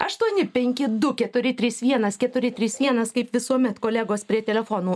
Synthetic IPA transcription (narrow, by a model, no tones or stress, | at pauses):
ɐʃt̪uɔnʲɪpʲɛŋʲkʲɪd̪ʊkʲɛt̪ʊɾʲɪt̪ʲɾʲiːsʋʲiɛnɐskʲɛt̪ʊɾʲɪt̪ʲɾʲiːsʋʲiɛnɐskɐɪpʋʲɪsuɔmʲɛt̪koːlʲæɡoːspʲɾʲiɛt̪ʲɛlʲɛfoːnuː